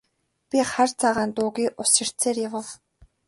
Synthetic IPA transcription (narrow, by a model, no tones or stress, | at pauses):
pʲiχart͡sʰaʁaːnt̪ʊːɣiːʔʊsɪ̆r̥t͡seːrjawə̆w